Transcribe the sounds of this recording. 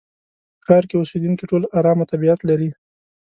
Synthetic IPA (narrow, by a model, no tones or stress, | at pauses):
xɑɾkeosed̪unkiʈolaɾɑmat̪abiat̪laɾi